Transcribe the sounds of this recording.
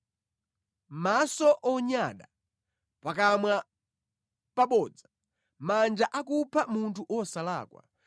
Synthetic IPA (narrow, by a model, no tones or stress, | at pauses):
masɔʔɔɲaɗa | pakamwa | paɓɔːd͡zḁ | mand͡ʒaʔakupʰamuntʰuʔɔsalaːkwa̰